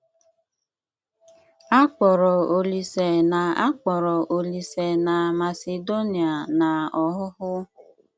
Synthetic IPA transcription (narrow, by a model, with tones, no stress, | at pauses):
a˦k͡pɔ˨ɾɔ˨o˨li˨se˨na˨a˦k͡pɔ˨ɾɔ˨ʔo˨li˨se˨na˨ma˨se˨do˦ni˨a˨na˨ɔ˨ɦʊ˦hʊ˦